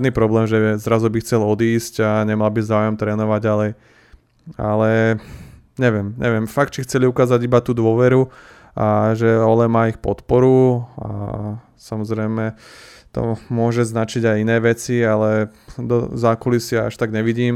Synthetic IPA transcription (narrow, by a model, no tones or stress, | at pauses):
d̪nipɾɔblɛːmʒɛzɾazubixt͡sɛlɔd̪iːscaɲɛmalbizaːʊjɔmt̪ɾɛːnɔʋaɟɟalɛj | a̰lɛ | ɲɛʋɪɛmɲʔɛʋɪɛmfak̚t̪̚t͡ʃixt͡sɛliukaːzaɟibat̪uːd̪ʊɔʋɛɾu | aʒɛɔlɛmaːixpɔt̪pɔɾua̰ | samɔzɾɛjmɛ | t̪ɔ̰mʊɔʒɛznat͡ʃiɟajinɛːʋɛt͡sialɛd̪ɔ̰zakulisɪaaʃt̪aɡɲɛʋiɟiːm